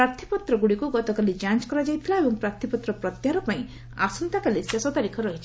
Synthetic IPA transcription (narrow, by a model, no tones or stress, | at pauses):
ɾaɾt̪ʰipɔt̪ɾɔɡuɽikuɡɔt̪ɔkalid͡ʒant͡ʃkɔɾad͡ʒajt̪ʰilaebɔŋpɾaɾt̪ʰipɔt̪ɾɔpɾɔt̪jaɾɔpaĩ | a̰sɔnt̪akalisjasɔt̪aɾikʰɔɾɔɦit͡ʃʰi